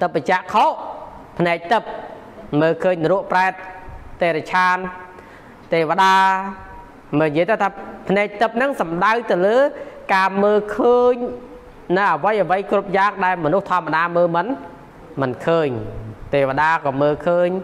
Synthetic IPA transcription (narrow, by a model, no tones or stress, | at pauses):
t̪ɨp̚ːət͡ɕ̆əʔkʰoʔ | pʰnaɛk̚t̪ɨp̚ | məːkʰəːɲruəʔpraɛt̪̚ːeːɾat͡ɕʰaːn | t̪eːʋəɗaː | məjiəjt̪əwt̪ʰaːpʰnaɛk̚t̪ɨp̚nɨŋsɑmɗawt̪ɨwləːkaːməːlkʰəːɲ | nɨwʔəʋəjʔəʋəjkrup̚jaːk̚ɗaɛlmɔnuht̪ʰŏəmːaɗaːməːlmɨn | mɨnkʰəːɲt̪eːʋəɗaːkɑːməːlkʰəːɲ